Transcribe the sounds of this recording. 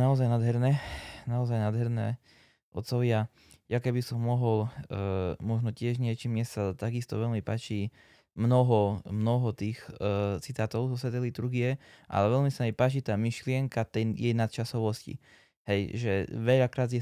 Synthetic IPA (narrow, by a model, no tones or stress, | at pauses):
naɔzajnad̪ɦɛɾnɛːnaɔzajnaːd̪ɦɛɾnɛ̰ː | ʔɔt̪sɔʋɪa | jakɛbisɔmːɔɦɔl | mɔʒnɔcɪɛʒɲɪɛt͡ʃimɲɛst̪aat̪aɡist̪ɔ̰ʋɛʎmipaːt͡ʃi | mnɔɦɔmnɔɦɔt̪iːxt͡sit̪aːt̪ɔʊzɔsʋɛt̪ɛlit̪uɾɡijɛʔa̰lɛʋɛʎmisamɛpaːt͡ʃit̪aːmiʃlɪɛŋkat̪ɛjjɛjnat̪̚t͡ʃasɔʋɔscḭ | hɛjʒɛʋɛʎakɾaːzjɛ